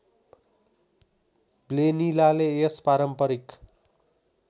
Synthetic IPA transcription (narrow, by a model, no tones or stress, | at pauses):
blenilaleespaɾʌmpʌɾik